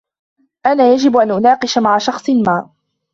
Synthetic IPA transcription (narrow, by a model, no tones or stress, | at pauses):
ʔanaːjad͡ʒɪbʔanʔʊnɑːqɨʃamaʕaʃɑxsˤɨmaːʔ